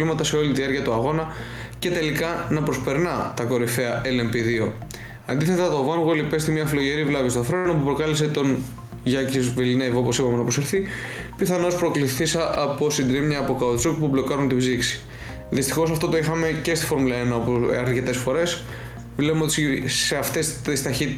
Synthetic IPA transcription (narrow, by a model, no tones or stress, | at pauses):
limɐt̪ɐse̞o̞lit̪iðiɐɾciɐt̪uɐɣo̞nɐ | ce̞t̪e̞likɐnɐpɾo̞spe̞ɾnɐt̪ɐko̞ɾife̞ɐʔele̞mbiðio̞ | ɐnd̪iθe̞t̪ɐt̪ovɐnɣoelipe̞st̪imɲɐfilo̞ʝe̞ɾivlɐvist̪oθɾe̞nopupɾo̞kɐliset̪o̞n | ʝɐciozviline̞vo̞po̞sipɐmenɐpɾoseɾθipiθɐno̞spɾo̞kliθisɐʔɐpo̞sind̪ɾimɲɐːpo̞kɐot̪sokpublo̞kɐɾunt̪ibziksi̥ | ðist̪ixo̞sɐft̪o̞t̪o̞ixɐme̞ce̞st̪i̥fo̞ɾmulɐe̞nɐopoɐɾce̞t̪e̞sfoɾe̞s | vlepmeot̪isseɐft̪e̞st̪ist̪ɐçit̪i